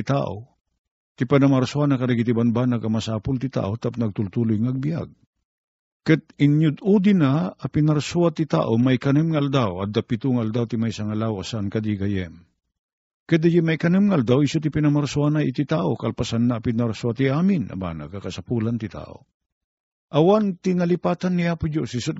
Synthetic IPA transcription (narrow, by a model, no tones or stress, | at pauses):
ɪt̪a̰ʔo | t̪ɪpanamaɾsʊanakɐɾɛɡit̪ibanbanaɡamasaːpʊlt̪ɪt̪a̰ːʔot̪ap̚nɐɡ̚t̪ʊlt̪ulʊjŋɐɡ̚bija̰ɡ̚ | kɨt̪̚ɪnjʊd̪ud̪inaːpɪnaɾsuat̪it̪a̰ːʔomajkɐnɨmŋaʔald̪awɐd̪apit̪ʊŋaald̪awt̪ɪmajsaŋalawasankad̪iɡajɛm | kɛd̪ajɛmajkɐnɨmŋaald̪awɪsot̪ipinɐmaɾsʊanaʔit̪it̪aːʔokɐlpasanːaːpɪnaɾsuat̪iaːmɪnʔa̰ba̰ːna̰ɡakɐsapuːlant̪ɪt̪a̰ːʔo̰ | ʔɐwant̪ɪŋalipaːt̪anːiapʊd͡ʒosɪsʊt̪